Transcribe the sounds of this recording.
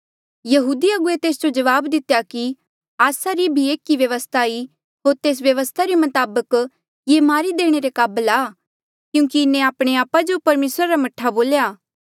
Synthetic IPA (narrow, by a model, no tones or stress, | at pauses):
jɐɦuːd̪iɐɡʊet̪eːsd͡ʒod͡ʒɐʋaːbd̪ɪt̪jaki | aːsaɾibʱieːkiʋjɐʋəst̪ʰai | ɦoːɾt̪eːs̬ʋjɐʋəst̪ʰaɾimɐt̪aːbək | jemaːɾid̪eːɽ̃eɾekaːbəlaː | kjũːkiɪnẽaːpɽ̃eaːpad͡ʒopɐɾmeːsɾaɾamɐʈʰːaboːljaː